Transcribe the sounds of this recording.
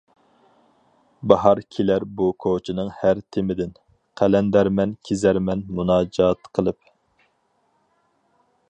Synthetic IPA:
bɑɦɑɾkʲʰelæɾbukʰot͡ʃʰinɨŋhæɾt̪ʰɪmɪd̪ɪn | qʰælɛnd̪æɾmɛnkʲʰezæɾmɛnmunɑːd͡ʒɑːt̪qʰəlˠɨp̚

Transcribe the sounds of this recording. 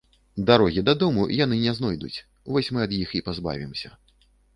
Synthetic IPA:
d̪aɾɔɣʲid̪ɐd̪ɔmṵjan̪ɨnʲɛznɔjd̪ṵt͡sʲ | vɔsʲmɨɐd̪jixipazba̰vʲimsʲɐ

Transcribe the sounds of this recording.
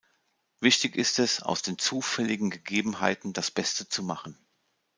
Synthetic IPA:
vɪçtɪçɪstɛsa̰ʊsd̥eːnt͡suːfɛlɪɡŋ̩ɡəɡeːbm̩ɦaɪtn̩dasb̥ɛstət͡sumaχn̩

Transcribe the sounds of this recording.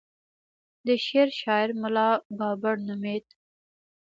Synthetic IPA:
d̪əʃeɾʃɑɪɾmʊlɑbɑbaɽnʊmet̪

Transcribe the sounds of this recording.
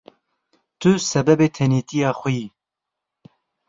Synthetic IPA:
t̪ʰʊsɛbɛbeːt̪ʰɛniːt̪ijɑːxʷʊjiː

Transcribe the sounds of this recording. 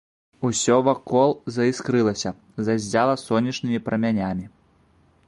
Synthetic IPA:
usʲɔvakɔlˠzɐiskɾɨlˠɐsʲɐ | zazʲd͡zʲalˠɐsɔnʲːɐt͡ʂnɨmʲipɾɐmʲanʲamʲi

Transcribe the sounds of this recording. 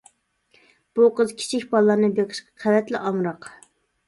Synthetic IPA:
b̥uqəzkʲʰi̥t͡ʃʰikʲbɑlˠːɑɾnɨbeqʰə̥ʃqɑqʰævɛt̪lɪʔɑmɾɑq

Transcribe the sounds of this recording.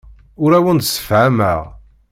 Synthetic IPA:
ʊɾæwənd̪sə̥fʕæmæ̰ʁ

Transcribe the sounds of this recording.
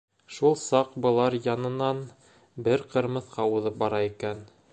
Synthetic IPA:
ʃulˠsɑqbɤ̆lˠɑɾjɑnɤ̆nɑn | bɘɾqɤ̆ɾmɤ̆θqʰɑuðɤp̚bɑɾɑikæn

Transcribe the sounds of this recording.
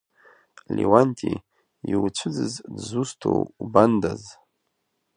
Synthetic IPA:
lʲʔiwantʰi | iwt͡ʃʷʰɨd͡zɨzdzustʰo̰wubandaz

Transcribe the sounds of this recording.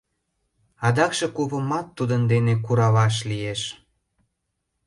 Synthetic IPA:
ɑd̪ɑkʃĕkuβə̆mɑt̪ːud̪ənd̪enekuɾɑβɑʃ̬lijeʃ

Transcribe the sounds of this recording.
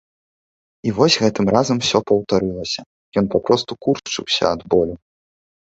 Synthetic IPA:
ivɔsʲɣɛt̪ɨmrazɐmwsʲɔpɐwt̪aɾɨlˠɐsʲɐ | jɔnpapɾɔst̪ukurt͡ʂɨ̰wsʲɐ̰ːd̪bɔlʲu

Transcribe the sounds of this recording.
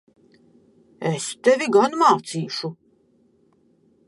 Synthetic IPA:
ɛst̪ɛvʲiɡanmaːt̪siːʃu

